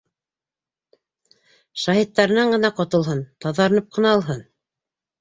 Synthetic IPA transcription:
ʃɑhit̪ːɑɾɤ̆nɑɴɢɤ̆nɑqŏt̪ɤ̆lˠɦɤnt̪ɑðɑɾ̆nɤp̚qɤ̆nɑlˠɦɤn

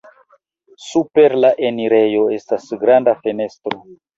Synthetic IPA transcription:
supe̞ɾlaʔeniɾe̞jo̞e̞stasɡɾandafe̞ne̞stɾo̞

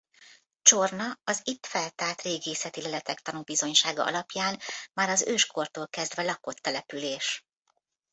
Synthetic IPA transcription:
t͡ʃo̞rnɒɒzit̪fɛlt̪aːrt̪reːɡeːsɛt̪ilɛlɛt̪ɛkt̪ɒnubizo̞ɲʃaːɡɒ̰ɒ̰lɒpjaːnmaːɾɒzøːʃko̞rt̪oːlkɛzd̪vɛlɒko̞t̪ːɛlɛpyleːʃ

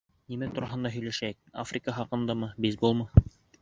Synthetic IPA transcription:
nimæt̪uɾɑɦɤ̆nd̪ɑɦɵ̆jlæʃæk̚afrʲɪkəχɑqɤ̆nd̪ɤmɤbizbulˠmɤ

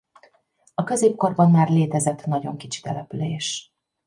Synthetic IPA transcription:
ɒkø̞zeːp̚ko̞rbɒnmaːrleːt̪ɛzɛt̪ːnɒɟo̞̰ŋkit͡ʃi̥t̪ɛlɛpyleːʃ

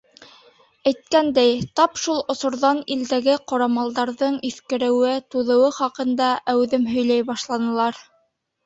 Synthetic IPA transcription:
æjt̪̚kænd̪æjt̪ɑpʃulˠŏsŏɾðɑnild̪æɡɘqɑɾɑmɑlˠd̪ɑɾðɤɴiθkɘ̆ɾɘ̆wɘt̪uðɤ̆wɤχɑqɤ̆nd̪ɑʔæwðɘmɦɵ̆jlæjbɑʃlˠɑnɤ̆lˠɑɾ

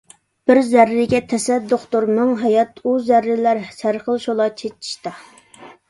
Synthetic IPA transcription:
b̥ɪɾzæɾːɪɡʲɛt̪ʰɛsɛd̪ːoχt̪oɾmɨŋɦɛjɑt̪uzæɾːɪlæɾsæɾχəlˠʃolˠɑt͡ʃʰet͡ʃʰːi̥ʃt̪ɑ

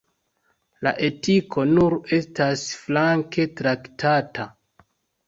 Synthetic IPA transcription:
la̰ʔe̞tikʰo̞nuɾe̞stasflaŋke̞tɾaktʰata

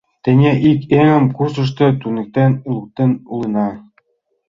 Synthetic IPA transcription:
t̪ĕnʲeʔikeŋə̆mkurs̬ɤ̆ʃ̬t̪ɤ̆t̪unĕk̚t̪enlˠuk̚t̪enulɤ̆nɑ

